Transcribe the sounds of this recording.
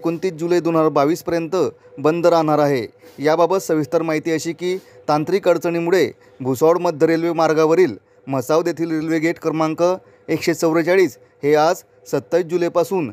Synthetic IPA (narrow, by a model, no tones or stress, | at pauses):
kont̪iːt͡s̚d͡ʑuləjed̪on̤ɦaɾabaʋiːspəɾjənt̪ə | bənd̪əɾaɳaɾaɦejababət̪səʋist̪əɾmaɦit̪iːəɕiːkiːt̪ant̪ɾiːkəɾt͡səɳ̃imuɭe | bʱusɔwɽməd̪ʱːəɾelʋemaɾɡaʋəɾiːl | məsaʋd̪et̪ʰiːlɾelʋeɡeʈkəɾmaŋkə | ekɕet͡səwɾət͡ɕaɭiːs | head͡z | sət̪ːaid͡ʑulepasuːn